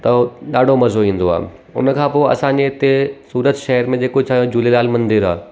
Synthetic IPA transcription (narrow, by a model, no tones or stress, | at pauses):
t̪ɐɗaːɖʱomɐzoĩːn̆d̪oa̰ː | ʊ̰nəkʰãːpoːɐ̰sãɲd͡ʑeɪt̪esuːɾət̪ʃɐɦəɾmẽd͡ʑeːkot͡ɕʰaːjõd͡ʑulelaːlmɐ̃nd̪ɪɾaː